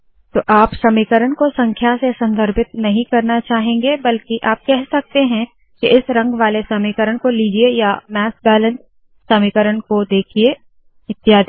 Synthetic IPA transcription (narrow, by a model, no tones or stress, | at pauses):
t̪oːʔaːpʃɐmiːkəɾəɽ̃kosɐ̃ŋkʰjasesɐ̃nd̪ʱəɾpɪt̪̚nɐɦĩkɐɾnat͡ʃaːɦẽːŋɡebɐlkiʔaːp̚kɛɦsɐk̚t̪eɦɛ̃ | kiʔɪsɾɐ̃ŋɡʋaːlesɐmiːkəɾəɳkoliːd͡ʒiejamɛːsbɛːlə̃ns | ʃɐmiːkəɾəɳkod̪eːkʰie | ɪt̪ːijaːd̪